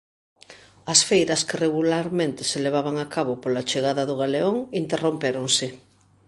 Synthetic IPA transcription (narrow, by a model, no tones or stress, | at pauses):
ɐsfejɾɐskɪreɣulaɾmẽnt̪ɪ̥seleβ̞aβaŋakaβʊpolat͡ʃeɣaðɐðʊɣaleoŋint̪erompeɾoŋsɪ